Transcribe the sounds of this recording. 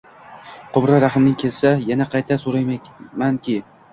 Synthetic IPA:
qʰʊbɾaɾaχɪmnɪŋkʰʲe̞lsajanaqʰɑjt̪ʰasoɾajmankʲɪ

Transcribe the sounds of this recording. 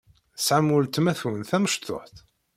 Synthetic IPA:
sʕamːʊlt̪mæθunθæməʃt̪o̰ħθ

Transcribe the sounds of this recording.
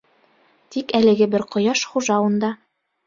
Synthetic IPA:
t̪ikælɘ̆ɡɘbɘɾqŏjɑʃχuʒɑwɤ̆nd̪ɑ

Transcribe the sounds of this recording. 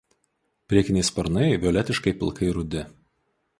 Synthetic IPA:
pʲɾʲiɛkʲɪnʲɛɪspɐɾnɐɪʋʲɪɔlʲɛt̪ʲɪʃkɐɪpʲɪ̰lˠkɐɪɾʊd̪ʲɪ

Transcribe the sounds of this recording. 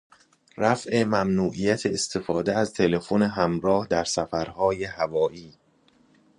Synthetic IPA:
ræfe̞mæmnuːʔijæt̪ʰeːst̪ʰe̞fɒːd̪eæzt̪ʰe̞le̞fo̞neɦæmɾɒːhd̪æɾsæfæɾhɒːjehævɒːʔiː

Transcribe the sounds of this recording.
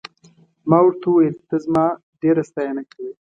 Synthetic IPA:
mɑːwɽt̪uwelt̪əzmɑː | ɖeɾast̪ajanakʰawi

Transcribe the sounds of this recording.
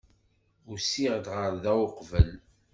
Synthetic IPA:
ʊsiʁd̪ʁəɾðæwʊqvəl

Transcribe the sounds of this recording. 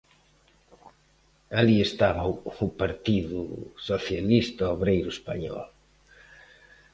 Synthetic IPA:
aliest̪aβɐuupaɾt̪iðʊ̰soθjalist̪ɐoβɾejɾʊespaɲɔ̰l

